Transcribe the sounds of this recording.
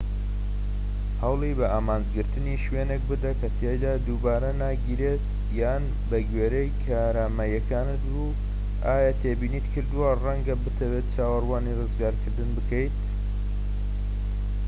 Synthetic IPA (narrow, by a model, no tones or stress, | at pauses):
hɐwlˠibɐaːmaːnd͡ʒɡɨɾt̪ɨniʃweːnek̚bɨd̪ɐkʰɐt̪ʰjejd̪aːd̪uːbaːɾɐnaːɡiːɾet̪ | jaːn | bɐɡɥeːɾejkʰaɾaːmɐjɛkʰaːnɨt̪̚bu | aːjat̪ʰeːbiːniːt̪kʰɨɾd̪uwarɐŋɡɐbɨt̪ʰɐwet̪̚t͡ʃaːwɐrwaːnirɨzɡaːɾkʰɨɾd̪ɨnbɨkəjt̪